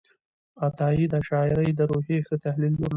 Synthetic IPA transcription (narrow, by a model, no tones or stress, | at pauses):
at̪ɑid̪əʃɑɪɾəjd̪əɾoɦexət̪ahlilnuɾn